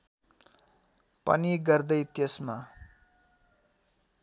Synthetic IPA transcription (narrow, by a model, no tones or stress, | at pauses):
pʌ̰niɡʌrd̪ʌjt̪esma